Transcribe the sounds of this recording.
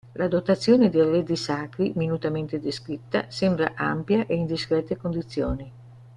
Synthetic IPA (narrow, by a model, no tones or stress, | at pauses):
lad̪ot̪at̪sːjoːned̪ellːed̪isaːkɾiminut̪ament̪ed̪eskɾit̪ːa̰sɛmbɾa̰ʔa̰mpjaʔeind̪iskɾɛt̪ːekond̪it̪sːjoːni